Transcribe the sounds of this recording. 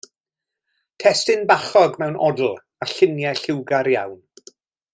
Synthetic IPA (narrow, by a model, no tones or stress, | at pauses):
tʰɛstɪnbaχɔɡmɛwnʔɔ̰dl̩ˠ | aɬɪnjɛɬɪwɡaɾja̰wn